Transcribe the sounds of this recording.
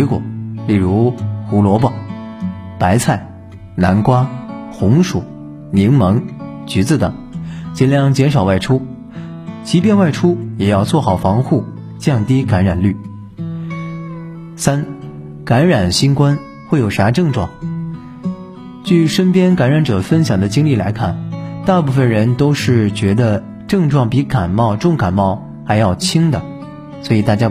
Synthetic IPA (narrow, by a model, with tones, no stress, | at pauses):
i˧˥kwɔ̰˨˩˦li˥˩ɻu˧˥xu˧˥lwɔ˧˥pɑ˥˩ | pa˧˥ɪt͡sʰa˥˩ɪ | na̰˧˥nkwa˥xʊ˧˥ŋʂu˨˩˦ | ni˧˥ŋmɤ˧˥ŋ | t͡ɕy˧˥t͡sɹ̩˥˩t̪ɤ̰˨˩˦ŋt͡ɕjɛ˧˥nljɑ˥˩ŋt͡ɕjɛ˧˥nʂɑ˨˩ʊwa˥˩ɪʈ͡ʂʰu˥ | t͡ɕi˧˥pjɛ˥˧nwa˥˩ɪʈ͡ʂʰu˥jɛ˨˩jɑ˥˧ʊt͡swɔ˥˩xɑ˨˩ʊfɑ˧˥ŋxu˥˩ | t͡ɕjɑ˥˩ŋt̪i˥ka˧˥nɻa˨˩nly˥˩ | sa˥n | ka˧˥nɻa˨˩nɕi˥nkwa˥n | xwe˥˩ɪjo˨˩ʊʂa˧˥ʈ͡ʂɤ˥˧ŋʈ͡ʂwɑ̰˥˩ŋ | t͡ɕy˥˩ʂə˥npjɛ˥nka˧˥nɻa˧˥nʈ͡ʂɤ˨˩fə˥nɕjɑ˨˩ŋd̪ə˦t͡ɕi˥ŋli˥˩la˧˥ɪkʰa˥˩nt̪a˥˧pu˥˧fə˨˩nɻə˧˥nt̪o˥ʊʂɻ̩˥˩t͡ɕɥɛ˧˥d̪ə˧ | ʈ͡ʂɤ˥˧ŋʈ͡ʂwɑ˥˩ŋpi˧˥ka˨˩nmɑ˥˧ʊʈ͡ʂʊ˥˩ŋka˨˩nmɑ˥˩ʊ | xa˧˥ɪjɑ˥˧ʊt͡ɕʰi˥ŋd̪ə˩ | swɔ˧˥i˨˩t̪a˥˩t͡ɕja˥